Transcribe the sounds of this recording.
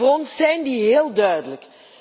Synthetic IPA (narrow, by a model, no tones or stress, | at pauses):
rɔnsːɛjndiɦeːlˠdœɥdələk